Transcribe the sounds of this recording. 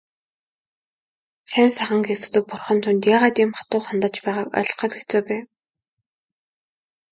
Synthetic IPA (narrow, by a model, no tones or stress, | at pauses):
sʰæːnsaχə̆ŋkxesɘ̆kt̪ɘ̆k̚pʊrχɞ̆nt̪ʰunt̪jaːʁaːt̪iːmχḁt̪ʊːχant̪ə̆t͡ɕpæːʁaːkœ̰ɮ̆χə̆t̪ɡet͡suːpæː